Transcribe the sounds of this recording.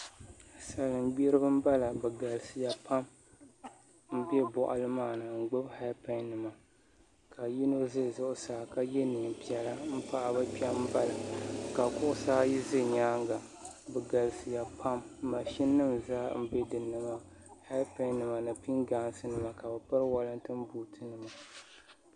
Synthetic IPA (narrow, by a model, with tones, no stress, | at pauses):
sa˨lɨ˨m˦ɡ͡be˦ɾɨ˦bɨ˦m̩˦ba˦la˨bɨ˨ɡa˨lsɨ˨ja˨pʰa˦m | m̩˦bɛ˦bɔ˨ʔa̰˨lɨ˦maː˦˨nɨ˨ŋ͡m̩˨ɡ͡bʊ˦bha˦pɛ˨nnɨ˨ma˨ | ka˨ji˦no˦zɨ˦˨zʊ˦ʔʊ˨saː˨˦˨ka˨jɛ˦nɨ˨m˨pi˨ɛ˨la˦m̩˦pa˦ʔa˨ba˦pi˦a˦m̩˦ba˦la˨ka˨kʊ˦ʔʊ˦saː˦ji˦zɨ˦˨ɲaː˦ŋ˦ɡa˨bɛ˨ɡa˨lsɨ˨ja˨pʰa˦mːa˨ʃi˦nːɨ˦mzaː˦m̩˦bɛ˦dɨ˨nːɨ˨ma˨ | ha˦pɛ˨nnɨ˨ma˨nɨ˨pi˦ŋɡaː˨˦˨n˦sɨ˦nɨ˨ma˨ka˨bɛ˨pɨ˦ɾwa˦lɨ˦n˦tɨ˦m˦buː˨tʰɨ˦nɨ˨ma˨